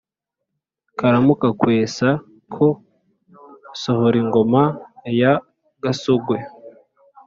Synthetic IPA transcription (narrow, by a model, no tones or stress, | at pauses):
kaɾamukakwe̞ːsa | kʰo | sohoɾiŋɡo̞maja | ɡasoɡwe̞